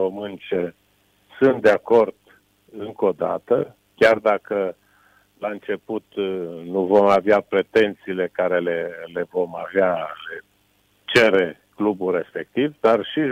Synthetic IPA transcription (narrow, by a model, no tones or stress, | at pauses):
omɨnt͡ʃe | sunt̪̚d̪eako̞rd̪̥ | ɨŋko̞d̪a̰t̪ə | kʲard̪akə | laɨnt͡ʃe̞put̪nuvo̞maveapɾe̞t̪e̞nt̪siːle̞kaɾe̞lele̞vo̞maveale̞ | t͡ʃe̞ɾe̞ | klubulːe̞spe̞k̚t̪ivd̪arʃi